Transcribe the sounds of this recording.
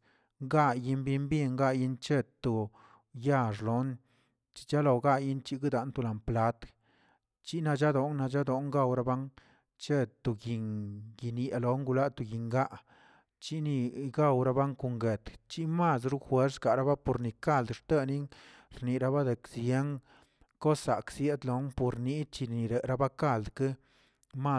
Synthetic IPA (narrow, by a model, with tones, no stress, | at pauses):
ŋɡa˦ji˧nbi˦mbi˦ŋɡa˦ji˦nt͡ʃe˦˧t̪o˨ | ja˦˧ʐlo˨˦n | t͡ʃi̥˦t͡ʃa˦lo˨ɡa˦˧ji˦nt͡ʃi˧ɡi˦d̪a˨˦nt̪u˧la˨mpla˦t̪ | t͡ʃi˦na˧d͡ʒa˦d̪o˨ŋna˧d͡ʒa˦d̪o˨˦ŋɡa˦˧wɾa˦ba˦ŋ | t͡ʃe˦t̪o˨ɡi˨ŋɡi˨nje˨lo˨˦ŋɡu˧la˦t̪u˧ɡi˨ŋɡa˦ʔ | t͡ʃi˦ni˧ɡa˦˧wɾa˧˦ba˦ŋku˨ŋɡe˨t̪t͡ʃi˦ma˦˧s̬ɾu˦xwe˦ɾsɡa˨ɾa˦ba˦po˨ɾni˨ka˦˨ld̪ʂt̪e˦ni˦ŋ | ɾni˨ɾa˧ba˦d̪e˨ksje˦ŋ | ko˦sːa˨ksje˦d̪lo˨˦npo˨ɾni˧˦t͡ʃi˧ni˨ɾe˨ɾa˦ba˦ka˦˨ld̪ke˦ | ma˦